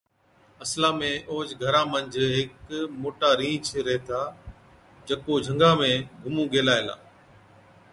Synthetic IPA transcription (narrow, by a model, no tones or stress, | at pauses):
ɐslaːmẽʔoːd͡ʑɡʱɐɾãːmɐ̃ɲd͡ʑ̆ʱɦɪkmoːʈaːɾĩːt͡ʃʰɾɐɦet̪ʰaː | d͡ʑɐkod͡ʒʱɐ̃ŋɡaːmẽɡʱʊmũːɡeːlaːɪla̰ː